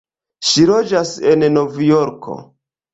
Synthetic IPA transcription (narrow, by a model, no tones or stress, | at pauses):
ʃiɾod͡ʒasennovjoɾkʰo̞̰